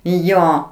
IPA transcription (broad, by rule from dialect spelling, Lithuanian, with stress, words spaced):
ˈjoː